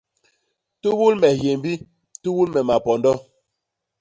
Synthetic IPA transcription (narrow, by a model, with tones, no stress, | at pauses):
tu˦wu˦lmɛ˨hje˨mbi˦ | tu˦wu˦lmɛ˨ma˨pɔ˨ndɔ˦